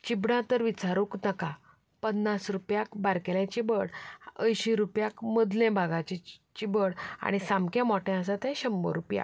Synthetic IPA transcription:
t͡ɕibɽãt̪əɾʋit͡saɾuknəka | pənːasɾupjakbaɾkɛlãt͡ɕibəɽəjɕiɾupjakməd̪lɛ̃bʱaɡat͡ɕit͡ɕibəɽa̰ɽ̃isãmkãmɔʈɛ̃əs̬at̪ɛ̃ɕəmːə̰ɾupja̰

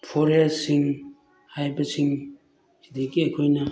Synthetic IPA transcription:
pʰɔɾejasiŋ | hajbasiŋ | sidikiekʰojna

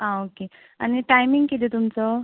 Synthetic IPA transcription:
ãoke | a̰niʈajmiŋɡkit̪et̪umt͡sɔ

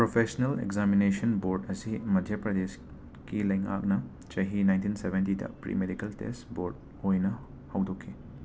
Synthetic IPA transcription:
pɾopʰesnelḛɡzaminesɐnboɾdɐsimɐdʱjɐpɾɐdes | kilɐjŋa̰k̚nɐ | t͡ʃɐɦinajntinsebʱentidɐ̰pɾḭmedikɐltḛstboɾd̚ | ojnɐ | hɐwdokʰːi

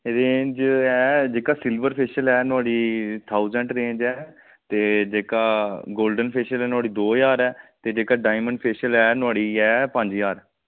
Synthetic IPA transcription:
eɾeːd͡ʒɛːd͡ʒeːkaːsɪlbəɾpʰeːʃəlɛːnʊaːɽiːt̪ʰaːuzə̃ɳʈɾẽːd͡ʒɛː | t̪eːd͡ʒeːkaːɡoːlɖənpʰeːʃəlɛːnʊaːɽiːd̪oːjaːɾɛːt̪eːd͡ʒeːkaːɖaːɪməɳɖpʰeːʃəlɛːnʊaːɽiːɛːpə̃ɲd͡ʒjaːɾ

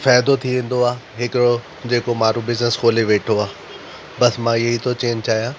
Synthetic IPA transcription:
faːjd̪ot̪ʰiʋẽːn̆d̪oaːɦɪkɪɾo | d͡ʑeːkomãːɾubɪznəskoːleʋeːʈʰoaː | bɐsmãːiɐɦit̪ʰot͡ɕeːɲt͡ɕaːɦijãː

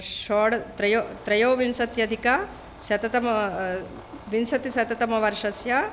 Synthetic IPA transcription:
ʃoːɽt̪ɾɐjot̪ɾɐjoːʋinsɐt̪jɐd̪ʱika | sjɐt̪ɐt̪ɐm | ʋinsɐt̪isjɐt̪ɐt̪ɐmɐʋɐɾʂɐsjɐ

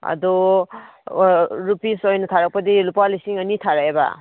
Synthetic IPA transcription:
a̰d̪ɔ | ɾupisɔjnutʰaɾak̚pad̪ilupalisiŋanitʰaɾaeba̰

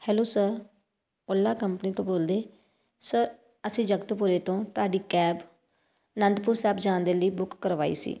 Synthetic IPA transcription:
hɛːloːsəɾ | olːaːkəmpniːt̪õːboːld̪eː | səɾ | əsĩːd͡ʒəɡt̪pʊɾeːt̪õːt̪ʊaːɖiːkɛːb | nənd̪pʊɾsɛːbd͡ʒãːnd̪eːləiːbʊkːəɾʋaːḭːsḭː

